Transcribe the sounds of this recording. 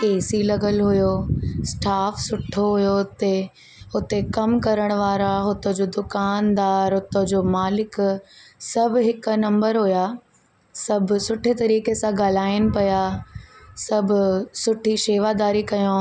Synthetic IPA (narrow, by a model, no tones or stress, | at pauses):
keːsilɐɡəlɦʊjosʈaːfsʊʈʰoɦʊjoʊt̪e | ʊt̪ekɐmkɐɾəɽ̃ʋaːɾaɦʊt̪od͡ʑoːd̪ʊkaːnd̪aːɾɦʊt̪od͡ʑoːmaːlɪk | sɐbʱɦɪknɐ̃mbəɾɦʊja | sɐbʱʊsʊʈʰet̪ɐɾiːkesãɡaːl̤aːɪnɪ̆pɐja | sɐbʱʊsʊʈʰiʃeːʋad̪aːɾikɐjõ